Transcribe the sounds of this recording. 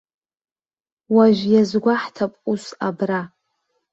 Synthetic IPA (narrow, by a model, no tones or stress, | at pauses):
waʒʷjazɡʷaħtʰapʼusabra